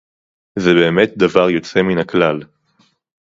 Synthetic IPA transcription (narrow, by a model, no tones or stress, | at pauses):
zebe̞ːmet̚d̪avaʁjo̞t͡se̞minhaklal